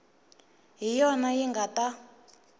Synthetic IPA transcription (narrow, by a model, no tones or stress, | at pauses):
ɦijɔnajiŋɡata